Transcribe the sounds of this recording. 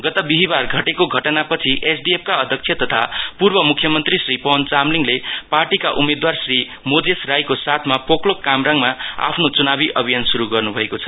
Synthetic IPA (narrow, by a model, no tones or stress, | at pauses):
ɡʌt̪ʌbiɦibarɡʱʌʈekoɡʱʌʈʌnapʌt͡sʰiʔesɖiep̚ʰkaʌd̪ʱjʌk̚t͡sʰjʌt̪ʌt̪ʰapurbʌmukʰːjʌmʌnt̪risripʌnt͡samliŋleparʈikaʔumed̪warsri | mod͡zesrajkosat̪ʰmapʰoklokamraŋmaa̰pʰnot͡sunabiʔʌbʱijansuɾuɡʌrnubʱʌekot͡sʰʌ̥